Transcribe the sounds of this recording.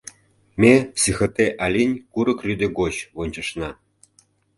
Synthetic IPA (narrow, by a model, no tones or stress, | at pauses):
mʲesixə̆t̪eʔɑlʲinʲkuɾɤ̆krʲyd̪eɡot͡ɕβonʲt͡ɕə̆ʃnɑ